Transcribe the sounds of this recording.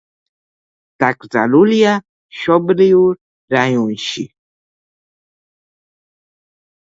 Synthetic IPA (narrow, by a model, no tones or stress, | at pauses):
t̪akza̰lulja | ʃɔbɾiuɾ | ɾajunʃi